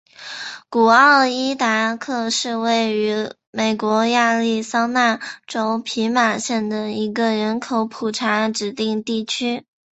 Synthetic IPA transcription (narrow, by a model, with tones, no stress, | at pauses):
ku˨˩ɑ˥˧ə˥˩i˥t̪a˨˧˩kʰɤ˥˧ʂɻ̩˥˧we˥˩ɪy˧˥ | me˨˩ɪkwɔ˧˥ja˥˧li˥˩sɑ˥ŋna˥˩nʈ͡ʂo˥ʊpʰi˧˥ma˨˩ɕjɛ˥˩nd̪ə˩i˧˥ɡə˧ɻə˧˥nkʰo˧˥ʊpʰu˨˩ʈ͡ʂʰa˧˥ʈ͡ʂɻ̩˨˩t̪i˥˧ŋt̪i˥˩t͡ɕʰy˥